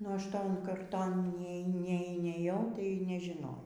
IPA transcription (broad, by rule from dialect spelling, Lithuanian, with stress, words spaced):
nʊ ˈɐʃ ˈtoːn kɐrˈtoːn ˈnʲiɛ nʲiɛ nʲiɛˈjɛʊ tɐɪ nʲɛʒʲɪˈnɐʊ